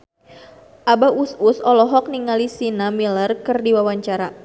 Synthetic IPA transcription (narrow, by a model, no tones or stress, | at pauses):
ʔabaususɔlɔɦɔk̚niŋalisinamilərkɨrdiwawaɲt͡ʃaɾa